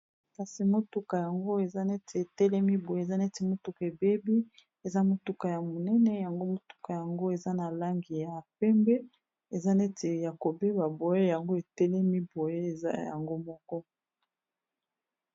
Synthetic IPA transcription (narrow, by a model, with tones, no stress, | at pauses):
ka˨si˨mo˦tu˦ka˨ja˨ŋɡo˦e˨za˦ne˦tʰe˨e˨tɛ˦lɛ˦mi˦bo˨je˦e˨za˦nɛ˦te˨mo˦tu˦ka˨e˨be˦bi˦ | e˨za˦mo˨tu˦ka˨ja˨mo˨nɛ˦nɛ˦ja˨ŋɡo˦mo˨tu̥˦ka˨ja˨ŋɡo˦e˨za˦na˨la˦ŋɡi˨ja˨pɛ˦mbɛ˦ | e˨za˦ne˦te˨ja˨ko˨be˦ba˨bo˨je˦ja˨ŋɡo˦e˨tɛ˦lɛ˦mi˦bo˨je˦e˨za̰˦ja̰˨ŋɡo˦mɔ˦kɔ˦